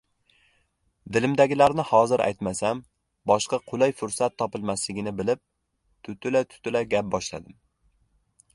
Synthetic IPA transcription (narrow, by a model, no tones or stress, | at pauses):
d̪ɪlɪmd̪aɡʲɪlaɾnɪhɒzɪɾʔa̰jt̪masam | bɒʃqɑqʰʊlˠajfʊɾsat̪ʰːɒpɪlˠmaslɪɡʲɪnɪbɪlɪp̚ | t̪ʰʊt̪ʰʊlat̪ʰʊ̥t̪ʰʊlaɡʲap̚bɒʃla̰d̪ɪm